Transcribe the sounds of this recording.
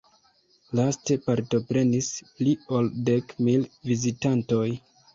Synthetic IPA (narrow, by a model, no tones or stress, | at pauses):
laste̞paɾto̞pɾe̞nisliolde̞kmilvizitanto̞j